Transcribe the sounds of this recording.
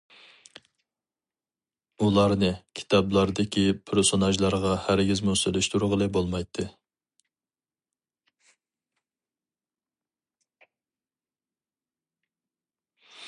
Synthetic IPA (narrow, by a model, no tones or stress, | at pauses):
ulˠɑɾnɨkʲʰi̥t̪ʰɑblˠɑɾd̪ɪkʲʰipʰɪɾsonɑʒlˠɑɾʁɑhæɾɡʲizmuselyʃt̪uɾʊʁəlˠɨbolˠmɑjt̪ʰːɨ